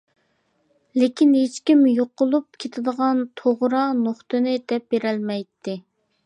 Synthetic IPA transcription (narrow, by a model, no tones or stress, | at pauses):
lekʲinɦet͡ʃkʲimjoqʊlˠup̚kʲʰet̪ʰɪd̪əʁɑnt̪ʰoʁɾɑnoχt̪ɨnɪd̪̥ɛp̚beɾɛlmɛjt̪ʰːɪ